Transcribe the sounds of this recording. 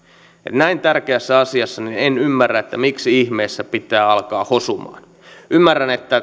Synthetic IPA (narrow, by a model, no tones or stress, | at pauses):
ḛt̪næint̪ærk̟eæsːæɑsiɑsːɑninenymːærːæet̪ːæmiksiihme̞ːsːæpit̪æːɑlkɑːhosumɑ̰ːn | ʔymːærːænet̪ːæ